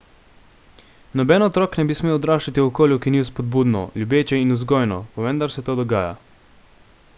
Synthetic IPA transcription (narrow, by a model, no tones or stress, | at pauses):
nɔbɛnɔt̪ɾɔːknɛbismeːwɔd̪ɾaːʃt͡ʃat̪iwɔkoːljukiniuspɔd̪̚buːd̪nɔ̰ljubeːt͡ʃɛinuzɡɔːjnɔpɔʋənd̪aɾsɛt̪oːd̪ɔɡaːja̰